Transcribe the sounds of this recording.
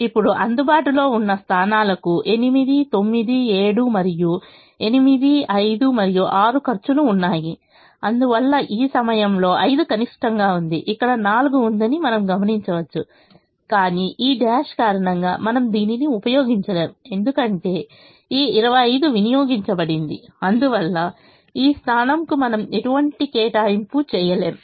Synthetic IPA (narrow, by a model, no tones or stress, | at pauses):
ipːuɽuʔɐnd̪ubaːʈulo̞ːunːɐst̪ʰaːnaːlɐkuʔe̞nimid̪it̪o̞mːid̪ie̞ːɽumɐɾiju | e̞nimid̪iɐjd̪umɐɾijuʔaːɾukɐɾt͡ʃuluːnːaːji | ɐnd̪uʋɐlːɐʔiːsɐmɐjɐmlo̞ːʔɐjd̪ukɐniʂʈɐŋɡaːund̪iʔikːɐɽɐnaːluɡuːnd̪ɐnimɐnɐmɡɐmɐniɲt͡ʃɐʋɐt͡ʃːu | kaːniʔiːɖaːʂkaːɾɐɳɐŋɡa̰ːmɐnɐmd̪iːniniupɐjo̞ːɡiɲt͡ʃɐle̞ːmue̞nd̪ukɐɳʈe̞ː | iːiɾɐʋɐjɐjd̪uʋinijoːɡiɲt͡ʃɐbɐɽind̪ḭɐnd̪uʋɐlːɐ | iːst̪ʰaːnɐmkumɐnɐme̞ʈuʋɐɳʈikɛːʈaːjimpuːt͡ʃɛːjɐle̞ːm